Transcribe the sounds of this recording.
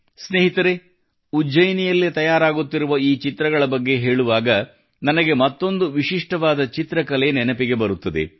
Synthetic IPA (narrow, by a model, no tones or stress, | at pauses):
sneːɦit̪ɐɾe | ud͡ʒɐjnijɐlːet̪ɐjaːɾaːɡut̪ːiɾuʋɐiːt͡ʃit̪ɾɐɡɐɭɐbɐɡːe̞ɦe̞ːɭuʋaːɡɐ | nɐnɐɡe̞mɐt̪ːo̞nd̪uʋiʃiʂʈɐʋaːd̪ɐt͡ʃit̪ɾɐkɐlenɛnɐpiɡe̞bɐɾut̪ːɐd̪e̞̰